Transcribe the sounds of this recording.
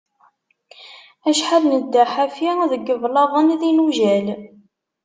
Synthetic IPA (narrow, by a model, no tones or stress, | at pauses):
æʃħaðnəd̪ːaħafiðəɡːəvlɑðˤəniðinuʒæl